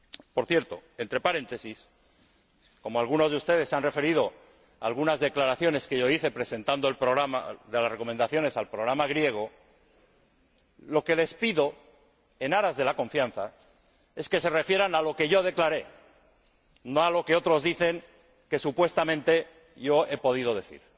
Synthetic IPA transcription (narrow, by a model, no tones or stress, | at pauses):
po̞ɾθje̞ɾt̪o̞e̞nt̪ɾe̞paɾẽ̞nt̪e̞sis | ko̞moalɣ̞uno̞zðeust̪e̞ð̞e̞sanre̞fe̞ɾið̞o̞ | a̰lɣunazðe̞klaɾaθjo̞ne̞ske̞ʝo̞iθe̞pɾe̞se̞nt̪and̪oelpɾo̞ɣɾama̰ðe̞lasre̞ko̞mend̪aθjo̞ne̞salpɾo̞ɣ̞ɾamaɣ̞ɾje̞ɣ̞o̞ | lo̞ke̞le̞spiðo̞ | e̞naɾazðe̞lakõ̞ɱfjãnθa | e̞ske̞se̞re̞fje̞ɾanalo̞ke̞ʝo̞ð̞e̞klaɾe̞ | no̞alo̞keo̞t̪ɾo̞zðiθe̞ŋ | ke̞supwe̞st̪amẽ̞nt̪e̞ | ʝo̞e̞po̞ð̞ið̞o̞ð̞e̞θḭɾ